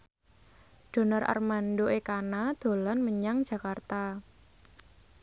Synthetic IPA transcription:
ɖ̥o̤nɔrʔa̰rmanɖoekanad̪̥o̤lɔnməɲaŋd̥ʒ̥ä̤kart̪a

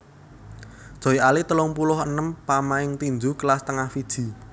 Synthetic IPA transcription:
d̥ʒ̥ɔ̤ialit̪əlʊŋpulʊɦənəmpamaɪŋt̪ind͡ʒukəlast̪əŋahfid̥ʒ̥i̤

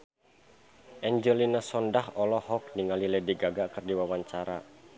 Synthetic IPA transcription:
ʔɛɲd͡ʒɔlinasɔndahɔlɔhɔk̚niŋalilɛdiɡaɡakɨrdiwawaɲt͡ʃaɾa

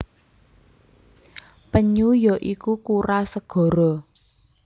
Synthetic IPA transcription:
pəɲujɔʔikukuɾasəɡ̥ɔ̤ɾɔ

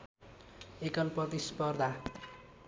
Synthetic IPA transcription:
ekʌnpʌt̪ispʌrd̪a

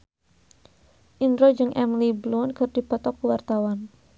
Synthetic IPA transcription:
ʔindɾod͡ʒɨŋʔɛmliblunkɨrd̥i̤pɔt̪ɔkːuwart̪awan

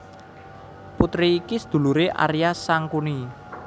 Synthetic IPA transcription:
put̪ɾiːkisəd̪̥ṳluɾeʔa̰ɾijasaŋkuni

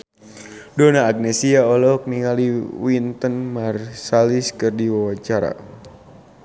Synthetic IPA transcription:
dɔnaːɡ̚nɛsiaɔlɔk̚niŋaliwint̪ənmarsaliskɨrdiwawat͡ʃaɾa̰

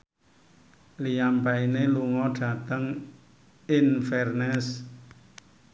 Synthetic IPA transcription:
lijampaineluŋɔɖ̥a̤t̪əŋ | ɪnfɛrnɛs

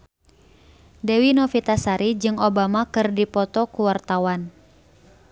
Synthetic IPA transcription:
dɛwinɔfit̪asaɾid͡ʒɨŋobamakɨrdipɔt̪ɔkuwart̪awan

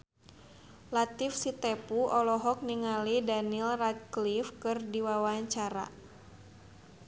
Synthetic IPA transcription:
lat̪ifsit̪ɛpuɔlɔɦɔk̚niŋalidanilrat̪̚klifkɨrdiwawaaɲt͡ʃaɾa̰

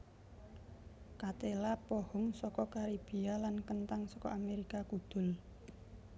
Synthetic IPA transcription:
kat̪elapɔhʊŋsɔkɔkaɾib̥ialankənt̪aŋsɔkɔʔameɾikakud̪̥ʊ̤l

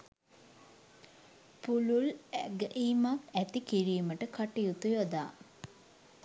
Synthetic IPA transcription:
pululɡəʔimakæt̪ikiɾijuməʈəkaʈijut̪ujod̪aː

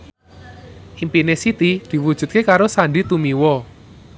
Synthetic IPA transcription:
ʔimpinesit̪id̪̥i̤wud̥ʒ̥ṳt̪̚kekaɾosaɳɖit̪umiwɔ

